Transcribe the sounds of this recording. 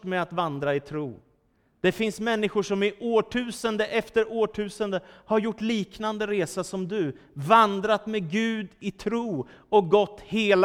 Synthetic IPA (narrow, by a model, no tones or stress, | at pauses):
mɛat̪vand̪ɾaɪt̪ʰɾuː | d̪̥ɛfɪnsmɛnːɪɧʊʂɔmɪʔoːʈʰʉ̟ːsənd̪əʔɛft̪əɾoːʈʰʉ̟ːsənd̪əhaɾjʊʈːliːknand̪əɾeːsasɔmd̪ɵvand̪ɾat̪mɛɡʉ̟ːd̪ɪt̪ʰɾuːɔk̚ɡɔt̪ːheːl